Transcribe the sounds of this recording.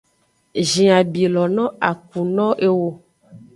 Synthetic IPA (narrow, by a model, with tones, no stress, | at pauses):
ʒĩ˨a˨bi˨lɔ˨nɔ̃˦a˨k̚u˨nɔ̃˦ʔe˦wo˦